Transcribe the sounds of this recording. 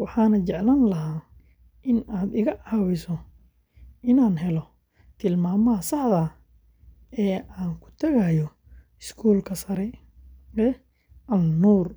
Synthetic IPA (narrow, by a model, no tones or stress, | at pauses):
wɑħɑːnɐt͡ʃɛʕlaːnlɐɦaː | ʔɪnaːd̪ɪɣɐʔɐwɪsɔ | ʔɪnaːnɦɛlɔ | t̪ʰɪlmaːmɐɐsɑħðɐ | ɛːaːŋkʰʊ̥t̪ʰɐɣɐjɔ | ɪskʰuːlkʰɐsɐɾɛ | ɛ | ʔɐnuːr